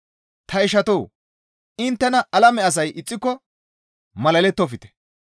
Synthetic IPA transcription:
t̪ʰɐɪʃɐt̪oː | ɪnt̪ːɛnɐʔɐlɐmɛɐs̬ɐjʔɪt͡sʼːɪkːɔ | mɐlɐlɛt̪ːɔfɪt̪ɛ̥

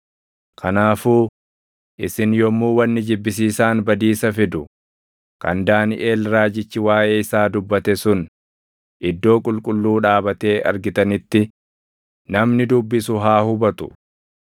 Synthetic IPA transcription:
kʰɐnaːfuː | ʔɪsɪnjɔmːuːwɐnːɪd͡ʒɪbːɪs̬iːsaːnbɐd̪iːsɐfɪd̪ʊ | kɐ̰nd̪aːnɪʔeːlɾaːd͡ʒɪt͡ʃːɪwaːʔe̞ːɪsaːd̪ʊbːɐt̪ɛsʊn | ʔɪd̪ːo̞ːkʼʊlkʼʊlːuːᶑaːbɐt̪e̞ːʔɐ̰ɾɡɪt̪ɐnɪt̪ːɪ | nɐmnɪd̪ʊbːɪsʊɦaːhʊbɐt̪ʊ̥̰

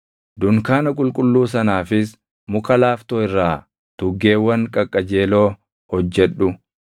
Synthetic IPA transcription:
d̪ʊŋkaːnɐkʼʊlkʼʊlːuːs̬ɐnaːfɪs | mʊkɐlaːft̪oːɪrːaː | d̪̥ʊɡːe̞ːwːɐŋkʼɐkʼːɐd͡ʒe̞ːlo̞ː | hɔd͡ʒːɛᶑʊ

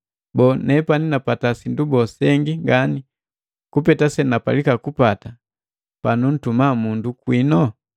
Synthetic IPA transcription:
bɔnɛpaninapatasindubɔsɛŋɡiŋɡani | kupɛtasɛnapa̰likakupata | panun̩tumamundukwinɔ

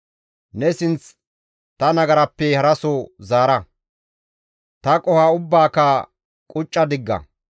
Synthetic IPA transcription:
nɛsɪnt͡s | t̪ɐnɐɡɐɾɐpːɛhɐɾɐsɔzaːɾɐ | t̪ɐkʼɔhaːʊbːaːka | kʼʊt͡ʃʼːɐd̪ɪɡːɐ̰

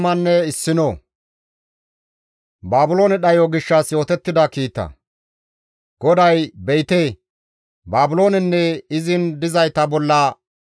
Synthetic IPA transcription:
mɐnːɛɪsːɪno | baːbʊlo̞ːnɛɗɐjoɡɪʃːɐsjo̞ːt̪ɛt̪ːɪd̪ɐkiːt̪ːɐ̰ | ɡ̥ɔd̪ɐjbɛjt̪eː | baːbʊlo̞ːnɛnːɛɪzɪnd̪ɪzɐjt̪ɐbɔlːɐ

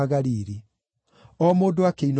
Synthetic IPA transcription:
aɣaɾiːɾi | ɔmoːdoakein

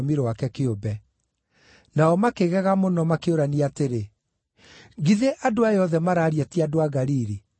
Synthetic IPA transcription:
miɾowakɛkeobɛ | naɔmakeɣɛɣamonɔmakeoɾaniateɾe | ɡiðeʔadoajɔðɛmaɾaːɾiatiadoaɣaɾiɾi

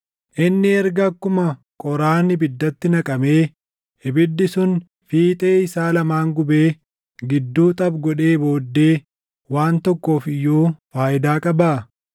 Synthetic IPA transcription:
ʔɪnːɪɛɾɡɐkːʊmɐ | kʼɔɾaːnɪbɪd̪ːɐt̪ːɪnɐkʼɐme̞ː | ɪbɪd̪ːɪsʊn | fiːt̪ʼe̞ːɪsaːlɐmaːŋɡʊbe̞ː | ɡɪd̪ːuːt̪ʼɐbɡɔᶑe̞ːbo̞ːd̪ːe̞ː | waːnt̪ɔkːo̞ːfɪjːoːfaːʔɪd̪aːkʼɐbaː

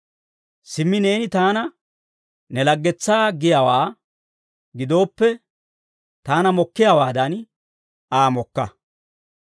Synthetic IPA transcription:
sɪmːɪne̞ːnɪt̪aːnɐ | nɛlɐɡːɛt͡sːaːɡɪjawaː | ɡɪd̪o̞ːpːɛ | t̪aːnɐmɔkːɪjawaːd̪ɐn | aːmɔkːɐ

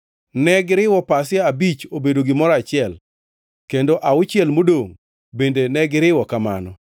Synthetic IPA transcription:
nɛɡɪɾɪwɔpasɪaabit͡ʃobedoɡɪmɔɾat͡ʃɪɛl | kendoʔaʊt͡ʃɪɛlmodoŋ | bendenɛɡɪɾɪwɔkama̰nɔ

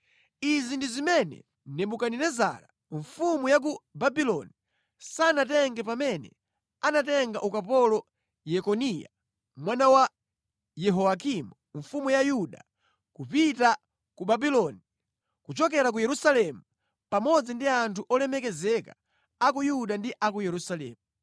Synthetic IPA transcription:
izindizimɛnɛ̰ | nɛɓukaninɛza̰ɾa | ɱfumujak̬ubabilɔni | sanatɛŋɡɛpamɛnɛ̰ | anatɛŋɡaʔukapɔlɔ | jɛkɔnija̰ | mwanawa | jɛɦɔak̬imuɱfumujajuɗa | kupita | kubabilɔni | kut͡ʃɔkɛɾak̬ujɛɾusalɛmu | pamɔd͡zindiantʰuʔɔlɛmɛkɛzɛka | ak̬ujuɗandiʔak̬ujɛɾusalɛ̰ːmu

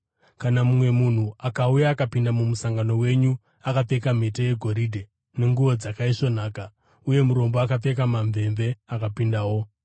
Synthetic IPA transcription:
kanamumwe̞mun̤uʔakaujaːkapindamumusaŋɡano̞we̞ɲu | akap͡fekam̤eteje̞ɡʱo̞ɾidʱe | ne̞ŋɡuʋo̞d͡zakaiʂo̞n̤aːka | uje̞muɾo̞mboakap͡fe̞kamaɱvʱe̞mve̞akapindawo̞

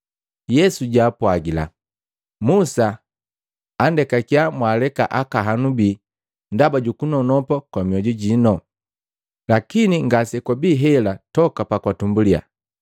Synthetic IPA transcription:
jɛsuɟaːpwaɡila̰ | musa | ndɛkakijamwalɛka̰ʔakaɦanubiː | ndabaɟukunɔnɔpɔkwamiɔɟɔɟinɔ | lakiniŋɡasɛkwabiːɦɛlatɔkapakwatumbulia̰

